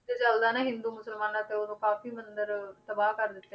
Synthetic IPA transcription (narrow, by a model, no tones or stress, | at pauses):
d̪et͡ʃəld̪aːnɛːɦɪ̃nd̪uːmʊsəlmaːnaːt̪eːoːd̪õːkaːfiːmənd̪əɾt̪əbaːkəɾd̪ɪt̪ːe